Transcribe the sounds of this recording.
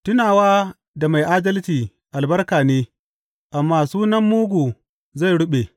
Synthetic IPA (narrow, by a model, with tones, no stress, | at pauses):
tʊ˦naː˨waː˦ | da˨ma˨jʔaː˦dɐ˦ltiː˨ | ʔa˨lbɐ˦rkaː˨neː˦ | ʔa˨mːaː˨suː˦nɐ˦mːuː˦ɡʷuː˨ | za˦˨jɽʊ˦ɓe˨